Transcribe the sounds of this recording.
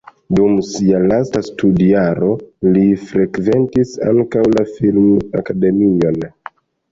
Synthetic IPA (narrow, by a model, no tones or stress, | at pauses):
dumsialastastudiaɾo̞lifɾekve̞ntisa̰ŋkawlafilma̰kade̞mio̞n